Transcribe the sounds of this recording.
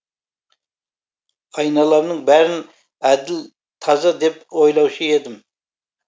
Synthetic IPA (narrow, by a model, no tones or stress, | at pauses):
ɑjnɑlˠɑmnɨŋbæɾɪn | æd̪ɪl | t̪ʰɑzɑd̪ɛp̚ojlˠɑwʃied̪ɪm